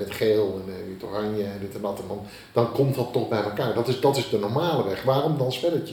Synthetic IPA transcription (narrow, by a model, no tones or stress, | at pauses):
ɛtχeːlˠɛnitorɑnjəɛndɪtɛndɑtɛndɑn | d̥ɑnkɔmtɑtːɔχbɛjɛlˠkaːɹdɑtɪzdɑtɪzdənɔɹmaːləʋɛχʋaːɾɔmdɑnsfɛdət